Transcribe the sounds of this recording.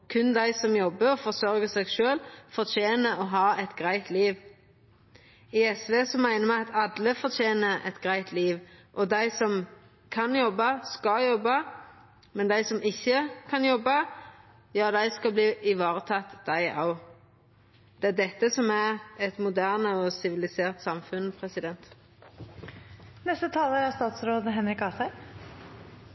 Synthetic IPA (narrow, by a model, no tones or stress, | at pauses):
kʰʉnd̪æɪsɔmjɔbːəɾɔfɔʁsœɾɡəsɛːɡʃøːlfɔʁt̪ʰeːnəɔɦɑːɛt̪ɡʁæɪt̪liːʋ | ɪɛsʋeːsɔmæɪnəmæɪɑt̪ʰɑd̪ləfɔt̪ʰjeːnəʔɛ̰t̪ɡʁæɪt̪liːʋʔɔd̪æɪsɔm | kʰɑnjɔbːɑskɑjɔbːɑ | mɛnd̪æɪsɔmɪçːəkʰɑnjɔbːɑ | jɑːd̪æɪskɑbliːʔɪʋɑːʁət̪ʰɑt̪ːd̪æɪʔɑ̰ʊ | d̪̥ɛæd̪ɛt̪ːəsɔmæʁɛt̪mʊd̪æːʁnəɔsɪʋɪlɪseːʁt̪sɑmfʉnpʰʁɛsɪd̪ɛnt̪ | nɛst̪ət̪ʰɑːləɾæst̪ɑːt̪sɾoːd̪əɦɛnɾɪkɑːsæɪ